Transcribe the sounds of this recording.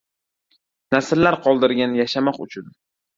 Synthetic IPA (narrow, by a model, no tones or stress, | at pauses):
nasɪllaɾqʰɒlˠd̪ɪɾɡʲanjaʃamɒqʊt͡ʃʰʊn